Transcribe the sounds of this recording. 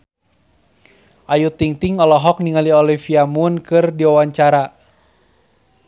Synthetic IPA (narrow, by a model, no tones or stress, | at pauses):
ʔajut̪iŋt̪iŋɔlɔɦɔk̚niŋaliɔlifiamunkɨrdiwawaɲt͡ʃaɾa